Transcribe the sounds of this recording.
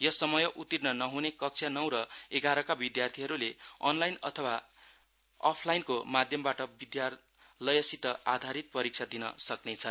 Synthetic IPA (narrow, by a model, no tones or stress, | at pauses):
jʌsʌmʌjʌʔut̪irnʌnʌɦunekʌk̚t͡sʰjanʌw̃ɾʌeɡaɾʌkabid̪jart̪ʰiɦʌɾuleʌ̰nlajnʌ̰t̪ʰʌwa | ʌ̰pʰlajnkomad̪ʱjʌmbaʈʌbid̪jar | lʌjʌsit̪ʌad̪ʱaɾit̪̚pʌɾik̚t͡sʰad̪inʌ̰sʌknet͡sʰʌn